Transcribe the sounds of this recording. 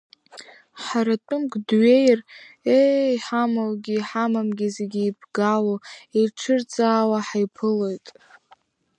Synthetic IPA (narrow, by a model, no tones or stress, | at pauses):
ħaɾatʼʊmɡdɥe̞jr | eħamawɡʲiħamamɡʲizeɡʲiːbɡaloeʈ͡ʂʰɨrt͡sʼaːwaħajpʰɨlo̞jtʼ